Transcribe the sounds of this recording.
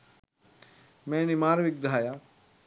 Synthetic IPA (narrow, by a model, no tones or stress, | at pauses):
mẽnimaːɾʋik̚dʱaːja